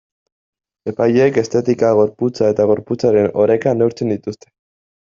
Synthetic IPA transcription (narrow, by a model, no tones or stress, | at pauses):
e̞pajeke̞st̪e̞t̪ikaɣ̞o̞ɾput͡sae̞t̪aɣ̞o̞ɾput͡saɾe̞no̞ɾe̞kanewɾt͡se̞nd̪it̪ust̪e̞̥